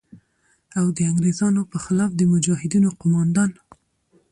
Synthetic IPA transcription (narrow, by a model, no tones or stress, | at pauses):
awd̪əaŋɡɾezɑnopəxɪlɑfd̪əmʊd͡ʒɑhɪd̪inoqʊmɑnd̪ɑn